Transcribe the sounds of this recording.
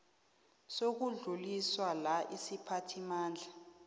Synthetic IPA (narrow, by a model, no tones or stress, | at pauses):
sok̬uɮuliswalaʔisipʰatʰimaːnd͡ɮʱa